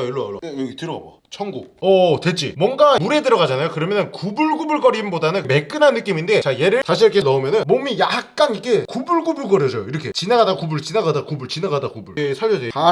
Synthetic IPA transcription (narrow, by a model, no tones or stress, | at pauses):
jʌɭːʌajʌɭ̰ːejɡitɯɾʌɡa̰mba̰ | t͡ɕʰʌŋɡuʌte̞t͡ɕ͈ḭmwʌŋɡamuɾe̞dɯɾʌɡad͡ʑanajokɯɾʌmjʌnɯnkubuɭɡubuɭɡʌɾimbodanɯnme̞k͈ɯnɦanːɯk͈iminde̞t͡ɕaje̞ɾɯɭt͡ɕaɕʰikʰenʌumjʌnɯnmomijak̚k͈anikʰe̞kubuɭɡubuɭɡʌɾjʌsʰʌjoiɾʌkʰe̞t͡ɕinaɡadakubuɭt͡ɕinaɡadakubuɭt͡ɕinaɡadakubuɭsʰaɭːʌd͡ʑea